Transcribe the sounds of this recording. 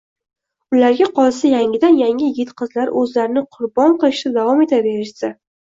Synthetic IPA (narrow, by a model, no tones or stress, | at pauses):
ʊlaɾɡʲaqʰɒlˠsajaŋʲɪd̪anjaŋʲɪɡʲɪt̪qʰɨzlaɾʔɵzlaɾɪnɪqʰʊɾbɒɴqɨlˠɪʃt̪ad̪avɒme̞t̪ʰave̞ɾɪʃsa